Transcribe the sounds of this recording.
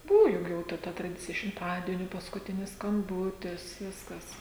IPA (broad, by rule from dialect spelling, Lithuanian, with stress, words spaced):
ˈbuːʋʊ ˈjʊk jɛʊ ˈtɐ tɐ trɐˈdʲɪt͡sʲɪjɛ ʃʲɪmˈtɑːdʲiɛnʲʊ pɐskʊˈtʲɪnʲɪs skɐmˈbuːtʲɪs ˈʋʲɪskɐs